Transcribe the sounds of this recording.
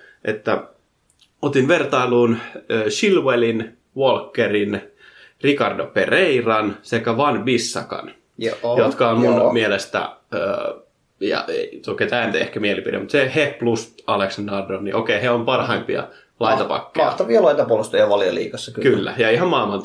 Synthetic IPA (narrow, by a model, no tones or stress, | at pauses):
ʔet̪ːæ | ot̪inʋert̪ɑiluːnøːʃilwelin | ʋolkːerin | rikɑrdopereirɑnsekæʋɑnʋisːɑ̰kɑ̰n | jot̪kɑommunmielest̪æ̰ø̰ː | jɑ̰ʔḛt̪oket̪æːnyt̪ehkæmielipḭdḛmut̪seheplust̪ɑleksɑndɑrdonniʔokeiheompɑrhɑimpiɑ̰ | lɑit̪ɑpɑ̰kːeɑɑt̪ɑʋiɑlɑit̪ɑpuolust̪ɑjɑʋɑljɑ̰lḭːkɑsːɑkkylːæ̰jɑihɑmmɑˑilmɑnt̪